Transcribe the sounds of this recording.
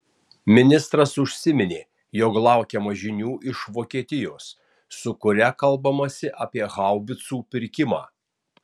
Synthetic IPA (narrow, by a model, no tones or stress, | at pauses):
mʲɪnʲɪst̪ɾɐsʊʃʲsʲɪmʲɪnʲeː | joːklˠɑˑʊkʲɛmɐʒʲɪnʲuːʔɪʃʋoːkʲiɛt̪ʲɪjoːsː | ʊkʊɾʲɛkɐlˠbɐmɐsʲɪʔɐːpʲiɛɣɑˑʊbʲɪt̪suːpʲɪɾʲkʲɪmɑː